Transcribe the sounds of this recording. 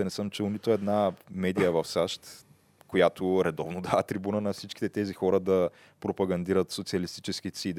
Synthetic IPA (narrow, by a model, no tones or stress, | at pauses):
nɛsəmt͡ʃɛlˠnit̪oɛd̪namɛd̪ijəvɐfsaʃt̪ | kojat̪oɾɛd̪ɔvnod̪avat̪ɾibunənɐfsit͡ʃk̟ʲit̪ɛt̪ɛzixɔɾəd̪ɐ | pɾopɐɡɐnd̪iɾət̪sot̪siɐlist̪i̥t͡ʃɛsk̟isid̪